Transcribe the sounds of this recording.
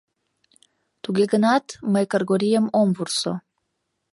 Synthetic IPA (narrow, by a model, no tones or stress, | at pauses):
t̪uɡʲeɡənɑt̪məjkəɾɡoɾijəmomvurso̰